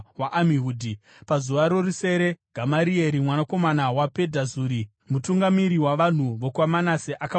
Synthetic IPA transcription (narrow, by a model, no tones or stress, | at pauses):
waʔamiɦuːdʱi | pazuʋaɾo̞ruse̞ɾe̞ɡ̥ʱamaɾieɾimwanako̞manawape̞dʱazuːɾi | mutuŋɡamiɾiwaʋan̤uʋokwamanaseʔaka